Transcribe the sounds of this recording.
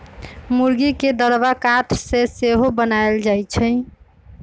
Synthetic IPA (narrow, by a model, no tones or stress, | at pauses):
muɾɡiked̪əɾbakat̪ʰseseɦobənaeld͡ʒajt͡ʃʰəɪ